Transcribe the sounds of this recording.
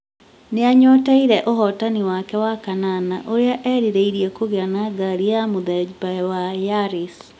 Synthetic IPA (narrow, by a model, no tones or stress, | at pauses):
neaɲɔtaiɾɛʔoɦɔtaniwakɛwakananaʔoɾeaʔɛɾiɾeiɾijɛkoɣeanaɡaɾijamoðɛd͡ʒbaɛwajaɾis